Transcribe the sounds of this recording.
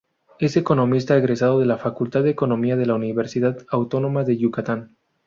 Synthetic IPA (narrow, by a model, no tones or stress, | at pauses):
e̞seko̞no̞mis̬t̪aeɣɾesað̞o̞ðe̞lafakult̪aððeko̞no̞miaðe̞launiβe̞ɾsiðaðawt̪o̞no̞maðe̞ʝukat̪an